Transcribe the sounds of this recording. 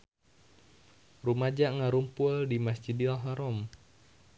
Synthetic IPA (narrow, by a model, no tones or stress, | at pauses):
rumad͡ʒaŋaɾumpuldimasd͡ʒidilɦaɾɔm